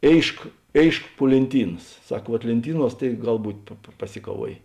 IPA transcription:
ˈeːɪʃk ˈeːɪʃk puɔ lʲeːnʲˈtʲiːnɐs ˈsɐk ʋuɔt lʲeːnʲˈtʲiːˌnuɔs tɐɪ ˈɡɐlˠ ˈbuːtʲ pɐˈsʲɪkɐˌʋuɔjeː

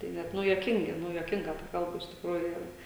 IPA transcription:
tɐɪ ˈnʲɛt ˈnʊ juɔˈkʲɪŋʲɡʲɪ ˈnʊ juɔˈkʲɪŋɡɐ tɐ ˈkɐlˠbɐ ɪʃ tʲɪkˈruːjʊ jɛʊ

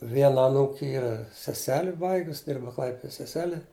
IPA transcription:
ˈʋʲiɛnɐ ɐˈnuːkʲɪ ˈiːrɐ sʲɛˈsʲæːlʲɪ ˈbɐɪɡʊs ˈdʲɪrbɐ ˈklˠɐɪpʲɪdoː sʲɛˈsʲæːlʲɛ

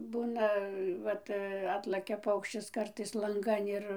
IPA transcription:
ˈbuːnɐ ˈʋɐt ˈɑːtlˠɐkʲɛ ˈpɐʊkʃʲt͡ʃʲɪs ˈkɐrtɐɪs lˠɐŋˈɡɐn ɪr

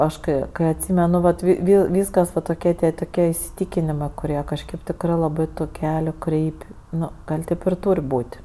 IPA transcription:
ˈɐʃ kɐɪ ˈkɐɪ ɐtʲˈsʲiːmʲɛnʊ ʋɐt ʋʲɪ ʋʲɪ ˈʋʲiːskɐs ʋɐ toːˈkʲiɛ tʲiɛ toːˈkʲiɛ ɪsʲɪˈtʲiːkʲɪnʲɪmɜ kʊˈrʲiɛ kɐʃʲˈkʲeːp ˈtʲɪkrɜ lˠɐˈbɜ tʊ ˈkʲæːlʲʊ ˈkrʲɛɪpʲ ˈnʊ ˈɡɐlʲ ˈtʲeːp ɪr ˈtuːrʲ ˈbuːtʲ

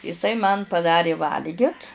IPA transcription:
ɪˈsɐɪ mɐn pɐˈdɑːrʲeː ˈʋɐlʲɡʲɪt

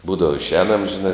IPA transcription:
ˈbuːdɐʋɐ ɪʃʲˈɛːnɐm ʒʲɪˈnɐɪ

